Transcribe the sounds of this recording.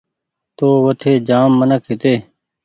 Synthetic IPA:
t̪oːʋət̪ʰeːd͡ʒaːmːənəkʰɪt̪eː

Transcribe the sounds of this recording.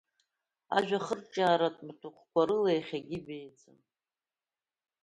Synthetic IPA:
a̰ʒᶣaχərʈ͡ʂʼaːɾatʼmtʷʰuqʷkʷaɾɨlejχʲaɡʲibejd͡zʼɨ̰m

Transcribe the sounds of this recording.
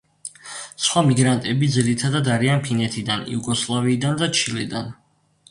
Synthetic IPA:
sχwamiɡɾant̪ʼɛbid̪ziɾit̪ʰad̪ad̪aɾianpʰinɛt̪ʰid̪anḭuɡɔslˠaviːd̪and̪at͡ʃʰilɛd̪an

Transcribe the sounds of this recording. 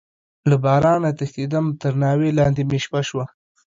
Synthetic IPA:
labɑɾɑnat̪axd̪id̪amt̪əɾnɑwelɑnd̪emeʃpaʃwa

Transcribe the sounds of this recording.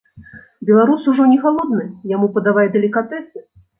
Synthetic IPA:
bʲɛlˠaɾusuʐɔnʲɛɣalˠɔd̪nɨjamupɐd̪avajɛd̪ɐlʲikat̪ɛsɨ

